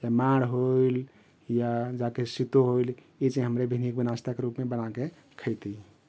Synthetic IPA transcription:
d͡ʒamaɽɦoiil | jad͡ʒakesit̪oɦoil | it͡ʃãɦəmɾebʱinik̚bənast̪akeɾupmebənake | kʰəjt̪i

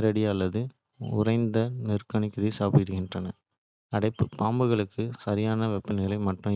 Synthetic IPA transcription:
ɾɐɽɪɐlːɐðɯ | ʊ̰rɐɪnd̪ɐnɪrkɐɳɪkːɐðɐɪsaːpɪɽɯɣɪndrɐnɐ | ɐɽɐɪpːɯpaːmbɯɣɐɭɯkːɯsɐɾɪjaːnɐʋɛpːɐnɪɣɐɭɐɪmɐʈːʊ̃

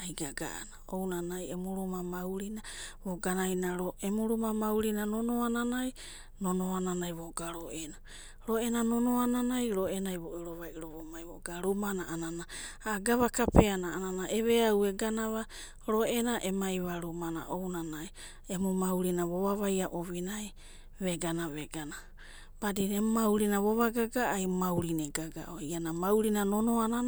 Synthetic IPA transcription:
ajɡaɡa̰a̰naownanajemuɾumamawɾinaβoɡanajnaɾoʔemuɾumamawɾinanonoananaj | nonoananajβoɡaɾoʔena | ɾoenanonoananajɾoenajβoʔeɾoβajɾoβomajβoɡaɾumanaʔanana | aɡaβakape̞anaːnanaʔeβeaweɡanaβa | ɾo̞enaʔemajβaɾumana̰ʔownanaj | emumawɾinaβoβaβajaʔoβinaj | βeɡanaβeɡana | b̥adinemmawɾinaβoβaɡaɡaʔːjmawɾineɡaɡa̰ʔoianamawɾinanonoana

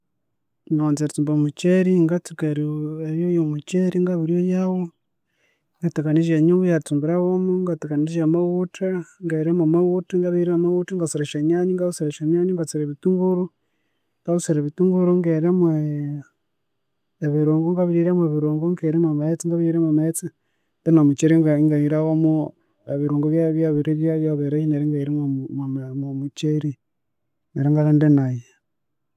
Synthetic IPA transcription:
noːnzeɾtuːmbomut͡ʃeɾiŋɡatukeɾieβjojomut͡ʃeɾiŋɡaβiɾjojawo | ŋɡatekaniʒeɲuɡujaɾitumbiɾawomuŋɡatekaniʒamawutʰaŋɡeɾemamawutaŋɡaβiiɾemamawutaŋɡasiɾeʃaɲaɲiŋɡausiɾeʃamjaːɲuŋɡat͡siɾeβituŋɡuɾu | ɡaβusiɾeβituŋɡuɾuŋɡeɾemwe | βiɾoːŋɡoŋɡaβiɾiɾemweβiɾoːŋɡoŋɡeɾemamaet͡siŋɡaβiɾiɾemamaet͡si | ndenamut͡ʃeɾiŋɡaŋɡaiɾaɣomo | eβiɾuːŋɡoβjaβjaβiɾeβjaβjaβeɾejineɾeŋɡaiɾemmmomut͡ʃeɾi | neɾeŋɡaɣandenaje

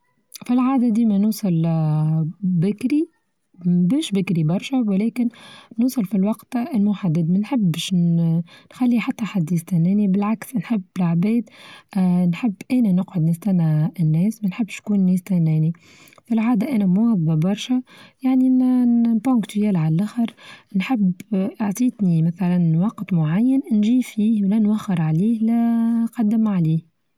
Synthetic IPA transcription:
filʕaːd̪æd̪iːmɛnuːsˤɑl | bɪkɾi | bɛːʃbɪkɾibɑɾˤʃɛwlɛːkɪnnuːsˤɑlfilwɑqt̪lmʊħad̪ːɪd̪mɪnħɪbːɛʃ | nxalːiħat̪ːæħad̪ist̪ænɛːnibɪlʕaksnħɪbːlʕbɛːd̪ | nħəbːʔɛːnænəqʕʊd̪nɪst̪ænːanːɛːsmænħɪbːʃkuːnːɛːst̪ænɛːni | filʕaːd̪æʔænɛmʊæbːabɑɾˤʃæjaʕninpokt̪jælʕallʔæxəɾnħɪbʔaʕt̪ˤiːt̪nimæθælænːwɑqːt̪ˤmʊʕajːannʒiːfiːhwlænwæxːɪɾˤʕaliːhlæqɑd̪ːəmʕaliːh

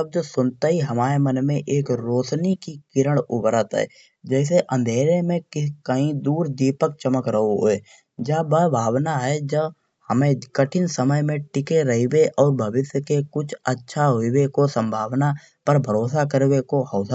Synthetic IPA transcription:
əb̚d͡ʒosʊnt̪aɦiɦɐmaːɾemənmẽʔeːkɾoːt͡ʃnikikɪɾəɽʊbɾət̪ɦɛ̰ː | d͡ʒɛːs̬eʔə̃nd̪ʱeːɾemẽkɪkəɦĩd̪uːɾd̪iːpək̚t͡ʃəməkɾəɦoɦo̰eː | d͡ʒabəbʱaːwnaɦɛd͡ʒəb | həmẽkəʈʰɪnsəməjmẽʈɪkeɾɐɦiweʔɔːɾbʱəʋɪsjəkekʊt͡ʃʰətːʃʰaɦoiwekosə̃mbʱaːʋna | pəɾbʱəɾoːsakəɾwekoɦɔːs

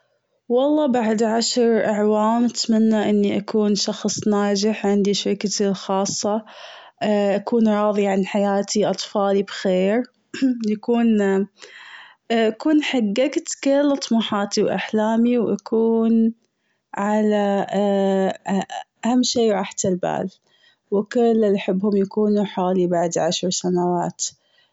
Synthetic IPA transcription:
wɑlˤːɑːbaʕd̪ʕaʃɾʔaʕwaːmʔat̪manːaʔɪnːiʔakuːnʃɑxsˤnaːd͡ʒɪħʕɪnd̪iʃaɾɪkat̪ilxɑːsˤːɑ | ʔakuːnɾˤɑːðˤiʕanħajaːt̪ʰiʔɑt̪ˤfɑːlibxeːɾ | jakuːn | ʔakuːnħaɡːaɡt̪kɪlʔt̪ˤmuːħɑːt̪iwʔa̰ħlaːmiwʔa̰kʰuːn | ʕala | ʔahamːʃiːwʕaħt̪alba̰ːl | wɪkɪlːɪlʔaħɪbːhʊmjakuːnuħaːlibaʕd̪ʕaʃɾsanawaːt̪

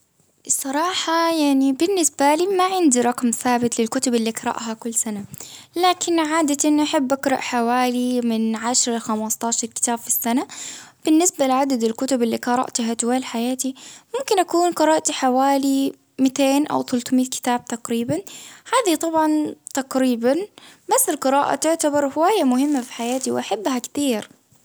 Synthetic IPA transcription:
sˤːɑɾˤɑːħɑjaʕnibɪnːɪsbaliːmaʕɪnd̪iɾˤɑqmθaːbɪt̪lɪlkʊt̪ʊbɪlːiqɑɾˤɑ̰ʔɦakʊlːsanalaːkɪnʕaːd̪aʔɪnːʔaħabːʔakɾˤɑ̰ʔħawaːlimɪnʕaʃɾˤalxamɑst̪ˤɑːʃɑɾˤkɪ̥t̪aːb̥fisːanab̥ɪnːɪsbalɪʕad̪ad̪ɪlkʊt̪ʊbɪlːiqɑɾˤɑ̰ʔt̪ɦat̪waːlħajaːt̪imʊmkɪnʔakuːnqɨɾˤɑːʔt̪iħawaːli | mɪt̪eːnʔa̰wθʊlt̪miːt̪kɪ̥t̪aːb̚t̪aqɾiːbanhaːðit̪ˤɑbʕɑnt̪aqɾiːbanbasːɪlqɨɾaːʔa̰t̪ʊʕt̪abɑɾˤhʊwaːjːamʊhɪmːafi̥ħajaːt̪iwʔaħabːhakt̪iːɾ

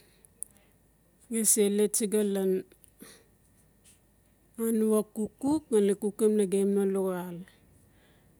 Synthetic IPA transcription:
ɡeselet͡ʃiɡalan | anuakukuk̚nalekukemnaɡemnaloal

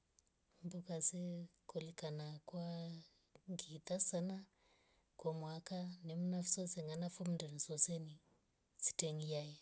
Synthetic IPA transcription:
mbukasɛkɔlikanakwa | ŋɡit̪asana | kwamwakanimunafisɔsɛŋɡanafumndɛnisɔsɛni | si̥tɛŋɡiajɛ

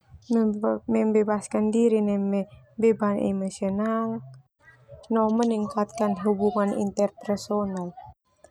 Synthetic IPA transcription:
mɛmbebaskandiɾinɛmɛ | bebanḛmosional | nɔməniŋkat̪̚kanɦubuŋanḭnt̪ərpɛrsonal

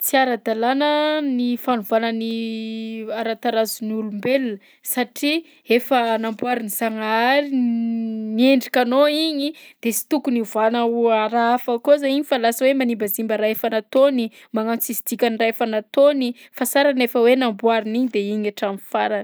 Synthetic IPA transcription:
t͡siaɾad̪alanənifanuvanəni | aɾat̪aɾazunulumbelnə | saʈ͡ʂi | efənambuaɾiniz̥aŋaɾi | nieɳɖ͡ʐikʲanoiɲid̪̥esi̥t̪ukuniuvanauaɾaafakozaiɲifalasawemanimbazimbəɾaefanat̪oni | maŋant͡sizid̪̥ikʲaniraefanat̪oni | fasaɾanefəwenambuaɾiniɲid̪eiɲaʈ͡ʂamifaɾan

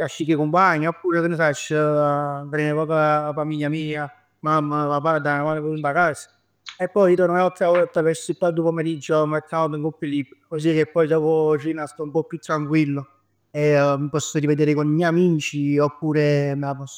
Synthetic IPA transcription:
kaʃːikekompaɲːaopːuːɾet̪unesat͡ʃː | tɾɛnepɔːkafamiʎːamiːa | mamːapapaɾd̪aamanepount̪akasḁ | epːɔjit̪ɔɾnoɔt̪ːɾaɔat̪ːavɛɾsoip̪ad̪opomeɾid͡ʒːomɛt̪ʰːat̪oŋkopːilibkos̬ikepːɔjd̪ɔːvorinast̪ɔumpɔpːjut̪ːɾaŋkwilːo | emipɔsːoɾived̪eːɾekonɲɛjamiːt͡ʃiopːuːɾemelapɔsː

